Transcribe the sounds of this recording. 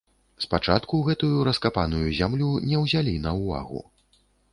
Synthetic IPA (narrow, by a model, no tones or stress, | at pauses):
spat͡ʂat̪kuɣɛt̪ujuɾɐskapanujuzʲamlʲunʲɛwzʲalʲinɐwva̰ɣṵ